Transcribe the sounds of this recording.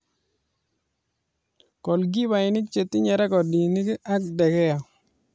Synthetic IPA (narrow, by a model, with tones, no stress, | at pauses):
kɔ˨lɡi˦ba˨ɪ˨nɪ˦k̚t͡ʃe˨t̪ːɪ˦ɲɛ˨ɾɛ˦kɔ˨di˨nɪ˦ka˦k̚dɛ˨kɛ˦a˨